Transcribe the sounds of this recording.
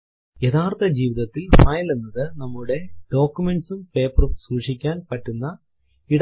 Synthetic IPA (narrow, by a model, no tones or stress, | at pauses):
jet̪aːrt̪ʰɐd͡ʑiːʋiðɐt̪ːilfɐjlenːɐðɨnɐmːuɽe̞ɖ̥o̞ːkʲːume̞ɳɖsumpe̞ːpɐrumsuːʂikʲːaːnpɐʈːunːɐ | iɽ